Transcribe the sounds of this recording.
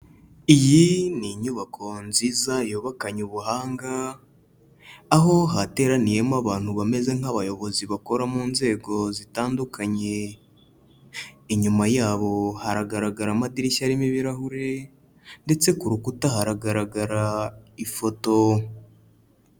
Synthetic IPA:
ijiniɲuβakʰo̞nziːzajuːβakaɲuβuɦaːŋɡa | ɦo̞ɦate̞ːɾanije̞mwaβaːn̥huβame̞ze̞ŋ̥haβajo̞βo̞ziβako̞ɾamuːnze̞ːɡo̞zitaːndukʰaɲe̞ | iɲumajaːβo̞haɾaɡaɾaɡaɾamadiɾiʃaɾimiβiɾahuɾe̞ | nde̞t͡se̞kuɾukutaɦaɾaɡaɾaɡaɾaifo̞to̞

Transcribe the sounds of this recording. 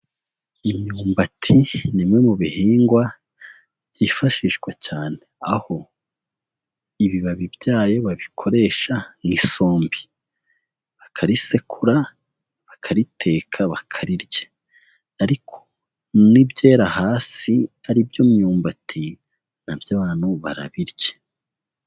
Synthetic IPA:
imɲuːmbatʰinimŋe̞muβihiːŋɡwa | bɟiːfaʃiːʃɡwat͡ʃaːneaho̞ | iβiβaβibjaːjo̞βaβikʰo̞ɾe̞ːʃaŋiso̞ːmbi̥ | βakʰaɾise̞kʰuɾa | βakʰaɾitʰe̞ːkʰaβakʰaɾiɾje̥ | aɾikʰo̞̥ | nibɟeːɾahaːsiaɾibjomuɲuːmbatʰi | n̥abjaːβaːn̥huβa̰ɾa̰βiɾɟe̥

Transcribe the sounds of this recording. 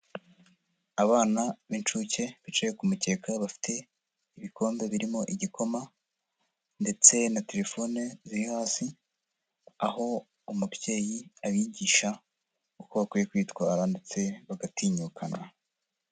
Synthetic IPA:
aβaːnaβint͡ʃuce̞βit͡ʃejekumuce̞ːkaβafi̥tʰe̞ | iβikʰo̞ːmbe̞βiɾimo̞ʔiɟiko̞ma | nde̞t͡se̞nate̞ɾe̞fo̞neziɾihaːsi | aɦo̞ | umubje̞ːjiaβiɟiːʃa | ukoβakwijekwiːtkwaːɾande̞t͡se̞βaɡatiːɲuːkʰana

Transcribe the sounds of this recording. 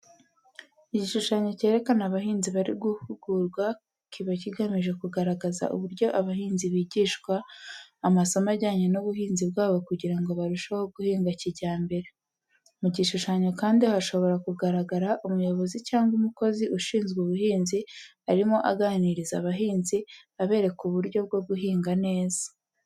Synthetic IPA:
iɟiʃuʃaɲo̞ce̞ːɾe̞kanaβaɦiːnziβaɾiɡuhuɡ̥uɾɡwa | kʰiβaciɡamiʒe̞kuɡaɾaɡaza̰ʔṵβuɾɟo̞ʔaβaɦiːnziβiːɟiːʃkwaː | masamaɟaːɲenuβuhiːnzib̚ɡaːβo̞kuɟiɾaŋɡo̞βaɾuʃaho̞ɡuhiːŋɡaciɟaːmbe̞ɾe̞ | muɟiʃuʃaɲo̞kaːndiahaʃo̞βo̞ɾakuɡaɾaɡaɾaʔumujo̞βo̞zicaːŋɡumuko̞ziʔuʃiːnzɡwuβuɦiːnzi | aɾimo̞ʔaɡaːniɾizaβaɦiːnziaβe̞ːɾe̞kuβuɾjo̞b̚ɡo̞ɡuɦiːŋɡane̞ːz̥ḁ

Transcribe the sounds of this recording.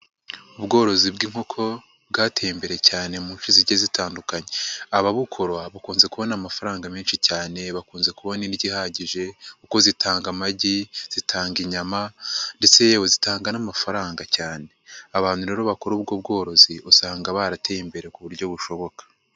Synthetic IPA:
ubɡo̞ːɾo̞zibɡiŋ̥ho̞kʰo̞ | b̚ɡaːtʰe̞jimbe̞ɾe̞caːne̞muːnʃiziɟezitaːndukaɲeaβaβukʰo̞ɾwaβakuːnze̞kuβo̞namafaɾaːŋɡamiːnʃicaːne̞βakuːnze̞kuβo̞niɾɟihaːɟiʒe̞kuko̞zitʰaːŋɡamaɟiz̥itʰaːŋɡiɲamande̞t͡se̞jewozitaːŋɡanamafaɾaːŋɡacaːne̞aβaːn̥huɾe̞ːɾo̞βako̞ɾuːb̚ɡob̚ɡo̞ːɾo̞ziʔusaːŋɡaβaɾateimbe̞ɾe̞kuβuɾɟo̞βuʃo̞βo̞kḁ

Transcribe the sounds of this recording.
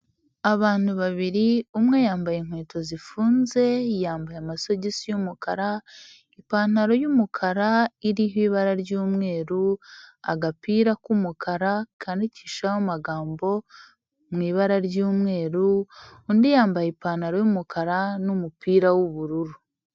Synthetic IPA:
aβaːn̥huβaβiɾiumŋe̞jaːmbajeŋhweːto̞zifuːnze̞jaːmbajamaso̞ɟisijumukaɾa | ipaːn̥aɾo̞jumukʰaɾaiɾihiːβaɾaɾɟuːmŋe̞ːɾua̰ɡapiːɾakumukʰaɾakʰandici̥ːʃahomaɡaːmbo̞ | mŋiːβaɾaɾɟuːmŋe̞ːɾuːndijaːmbajipaːn̥aɾo̞jumukʰaɾanumupiːɾawuβuɾuɾu

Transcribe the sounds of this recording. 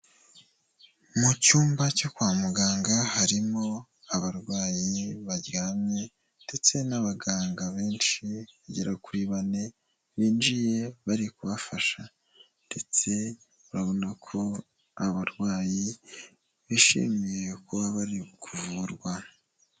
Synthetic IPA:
mucuːmbacokwaːmuɡaːŋɡahaɾimo̞ | aβaɾɡwaːjiβaɾɟaːmɲe̞ | nd̥e̞t͡se̞naβaɡaːŋɡaβe̞ːnʃiβaɟeɾakiβane̞ | βiːnd͡ʒije̞βaɾikuβafaʃa | nde̞t͡se̞ | uɾaβo̞nakʰo̞ | aβaɾɡwaːji | βiʃḭmije̞kuβaβaɾikʰuvuɾɡwa

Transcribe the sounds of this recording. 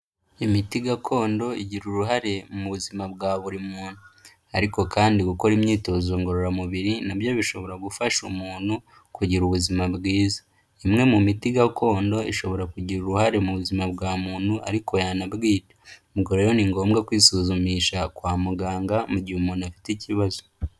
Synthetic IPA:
imitiɡakʰo̞ːndo̞iɟiɾuɾuɦaɾe̞muβuzimabɡaːβuɾimuːnhu | aɾiko̞kaːndiɡuko̞ɾimɲiːto̞ːzuːŋɡoɾoɾamuβiɾinabjo̞βiʃo̞βo̞ɾaɡufaʃumuːn̥hu | kuɟiɾuβuzimabɡiːzḁ | imŋe̞mumitiɡakʰo̞ːndo̞iʃo̞βo̞ɾakuɟiɾuɾuɦaɾe̞muβuzimabɡaːmuːn̥huʔa̰ɾikʰo̞janabɡiːɾḁmiɡoɾejoniŋɡo̞ːmɡakwiːsuːzumiːʃakwaːmuɡaːŋɡamuɟiumuːn̤uafi̥ticiβazo

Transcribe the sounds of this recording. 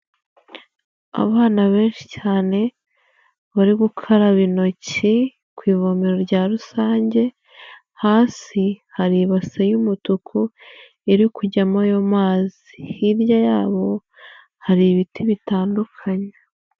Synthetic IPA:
a̰βaːnaβe̞ːnʃi̥caːne̞ | βaɾiɡukʰoɾaβino̞ci | kwiːvo̞meɾoɾɟaːɾusaːɲɟe̞ | haːsihaɾiβasejumutukʰu | eɾikuɟamajomaːz | ihiɾjajaːβo̞ | haɾiβitʰiβitaːndukʰaɲe

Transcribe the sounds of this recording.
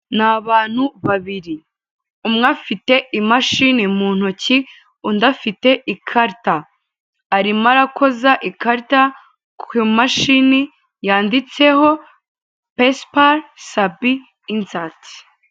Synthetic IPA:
naβaːn̥huβaβiɾi | umŋafite̞imaʃinimuːn̥uci | undafite̞ʔikʰaɾtaː | ɾimaɾakʰo̞zaʔikaɾta | kimaʃini | jaːndit͡se̞ɦo̞ | pespaɾsabiː | nzati̥

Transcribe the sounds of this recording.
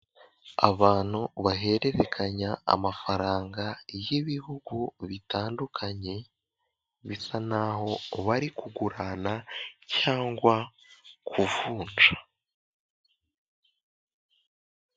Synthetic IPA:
a̰βaːn̥huβaɦe̞ɾe̞ɾekʰaɲaa̰mafaɾaːŋɡajiβihuɡuβitaːndukʰaɲe̞ | βisanaɦo̞βaɾikuɡuɾanacaːŋɡwakʰuvuːnd͡ʒḁ

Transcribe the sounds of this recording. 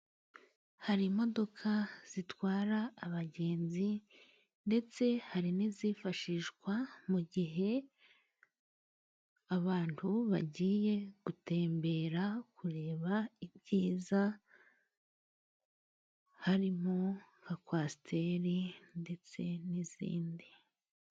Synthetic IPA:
haɾimo̞do̞kʰaz̥itwaːɾaːβaɟe̞ːnzi | nde̞t͡se̞haɾiniziːfaʃiʃɡwamuɟiɦe̞ | aβaːntuβa̰ɟiːje̞ɡ̥ute̞ːmbe̞ːɾakuɾe̞ːβaibɟiːza | haɾimoŋɡakwasitʰe̞ɾinde̞t͡se̞nizḭːndi

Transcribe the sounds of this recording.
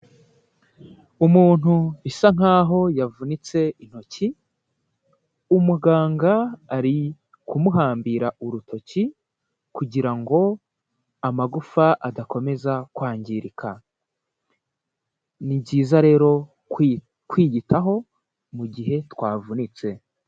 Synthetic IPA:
umuːn̥huisaŋ̥aːɦo̞javunit͡se̞in̥ho̞ci | umuɡaːŋɡaːɾi | kʰumuɦaːmbiɾaʔuɾutʰo̞ci | kuɟiɾaŋɡo̞ | amaɡufaʔadako̞me̞zakwaːɲɟiɾikʰa | nibɟiːzaɾe̞ːɾo̞ | kwiːɟitʰaɦo̞ | muɟiɦe̞twaːvunit͡se̞

